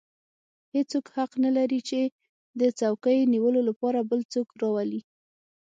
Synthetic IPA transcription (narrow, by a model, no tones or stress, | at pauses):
het͡sokhaqnalaɾit͡ʃe | d̪ət͡sawkəjniwəlolapɑɾabəlt͡sokɾɑwali